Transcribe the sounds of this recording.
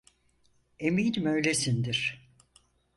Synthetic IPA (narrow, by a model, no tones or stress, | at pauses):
emiːnimøjlʲesind̪iɾ̥